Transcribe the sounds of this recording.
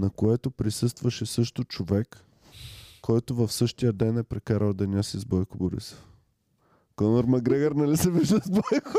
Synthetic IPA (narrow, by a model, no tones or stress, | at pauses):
nɐkoɛt̪opɾisɤst̪vɐʃɛsɤʃt̪ot͡ʃovɛkː | ɔjt̪ovɐfsɤʃt̪ijəd̪ɛnɛpɾɛkaɾəlˠd̪ɛnʲasizbɔjkʊboɾḭs | kɔnoɾmɐɡɾɛɡɐɾnɐlisɛviʒd̪əzbɔjk